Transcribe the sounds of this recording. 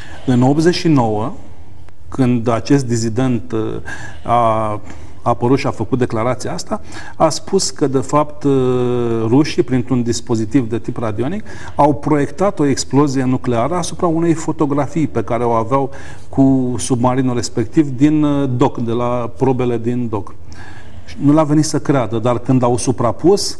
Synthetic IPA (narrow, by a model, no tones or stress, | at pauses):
ɨno̞p̪ze̞ʃino̞wə | kʰɨnd̪at͡ʃe̞s̬t̪̚d̪is̬id̪e̞nt̪ | aː | pəɾut̪ʃiafəkut̪̚d̪e̞klaɾat̪sijaast̪a | aspʰuskəd̪e̞fapt̪ | ruʃipɾint̪ɾund̪ispo̞zit̪ivd̪e̞t̪iprad̪io̞nik | awpɾo̞je̞kt̪at̪o̞e̞ksplo̞zije̞nukle̞aɾəasupɾaune̞jfo̞t̪o̞ɡɾafijpe̞kaɾe̞o̞aveaw | kʰusubmaɾinulre̞spe̞kt̪ivd̪ind̪o̞kd̪e̞lapɾo̞be̞le̞d̪ind̪o̞k | ʃinulave̞nit̪səkɾead̪əd̪arkɨnd̪awsupɾapus